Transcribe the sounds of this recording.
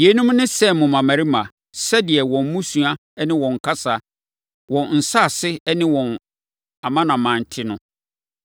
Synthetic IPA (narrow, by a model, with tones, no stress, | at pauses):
je˨˦nũ˦m˦nɪ̃˦sɛ˦˨m˨mʊ̃˨mã˨mæ̃˨ɾi˦mã˨ | sɛ˦dɪ˨ɛ˨wɔ̃˨m˦mũ˦su˨a˦nɪ̃˦wɔ̃˨ŋ˨kʰa˦sa˨ | wɔ̃˨nn̩˨sa˦˨sɪ˦ɛ˦nɪ̃˦wɔ̃˨n | a˨mã˦nã˨mã˨n̩˨tʰɪ˦nʊ̰̃˦